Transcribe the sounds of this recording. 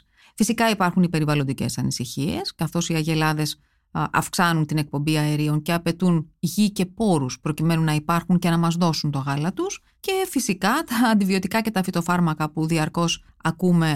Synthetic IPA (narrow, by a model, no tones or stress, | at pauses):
fisikɐipɐɾxunipe̞ɾivɐlo̞nd̪ice̞̰sɐnisiçie̞skɐθo̞siɐʝe̞lɐðe̞s | ʔɐ̰fksɐnunt̪ine̞k̚po̞mbiɐeɾio̞ŋce̞ɐpe̞t̪unʝice̞po̞ɾuspɾo̞cime̞nunɐipɐɾxuŋce̞nɐmɐzðo̞sunt̪o̞ɣɐlɐt̪us | ce̞fisikɐt̪ɐːnd̪ivio̞t̪ikɐce̞t̪ɐfit̪o̞fɐɾmɐkɐpuðiɐɾko̞s | ɐkume̞